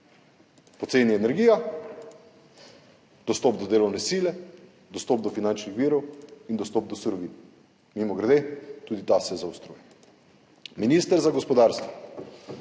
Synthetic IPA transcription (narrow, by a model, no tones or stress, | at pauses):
pɔt̪seːniɛnɛɾɡiːja | d̪̥ɔst̪ɔpd̪ɔd̪eːlɔwnɛsiːlɛ | d̪ɔst̪ɔːp̚d̪ɔfinant͡ʃnixʋiːɾɔwind̪ɔst̪ɔːp̚d̪ɔsuɾɔʋin | mimɔɡɾɛd̪et̪uːd̪it̪asɛzawst̪ɾuːjɛ | minist̪əɾzaɡɔspɔd̪aɾst̪ʋɔ